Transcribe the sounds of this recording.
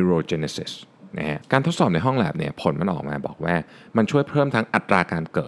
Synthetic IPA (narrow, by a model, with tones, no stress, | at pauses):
u˧ɾoː˧t͡ɕe˧ne˧si˨˩sna̰˦˥kʰa˦˥kaː˧t̪ʰo˦˥t̪̚sɔː˨˩p̚na˧jɦɔ˥˩lɛ̰ː˨˩p̚ni˥˩ɐpʰo˩˦nma˧nʔɔ̰ː˨˩k̚maː˧bɔ̰ː˨˩k̚waː˥˩ | ma˧nt͡ɕʰu˥˩əjpʰɤː˥˩mt̪ʰa˦˥ŋʔa˨˩t̪ɾaː˧kaː˧nkɤː˨˩t̪̚